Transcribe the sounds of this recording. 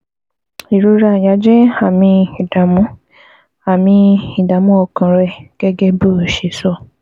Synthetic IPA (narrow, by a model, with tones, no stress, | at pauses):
i˨ɾu˧˦ɾa˧˨ja˨˧˦d͡ʒɛ˦a˦˨mĩ˧i˨da˨mũ˨˦ | a˨mĩ˧i˨da˨˦mũ˦ɔ˧kã˨ɾɛ˧ɡ̥ɛ˦ɡɛ˦bo˦˨ʃe˨˦sɔ˦˨